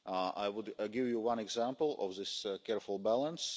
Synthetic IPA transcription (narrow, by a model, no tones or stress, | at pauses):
a̰ɪwʊdɡɪvjuwʌ̃nɛɡzæ̃mpl̩ˠɔ̰vðɪskɛɹfəl̩ˠbælˠə̃ns